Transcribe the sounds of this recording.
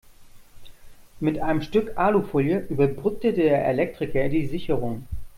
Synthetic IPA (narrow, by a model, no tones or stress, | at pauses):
mɪtʔaɪnəmʃtʏkʔaːlufoːljəʔyːbɐbʁʏk̚tədeːɐʔḛlɛk̚tʁ̥ɪkɐdiːzɪçəʁʊŋ